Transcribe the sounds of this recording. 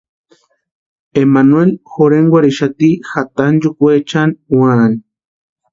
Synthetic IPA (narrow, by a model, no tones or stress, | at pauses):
emanwelxoɾeŋɡwʷaɾiʃat̪ixat̪and͡ʒukʷet͡ʃanwan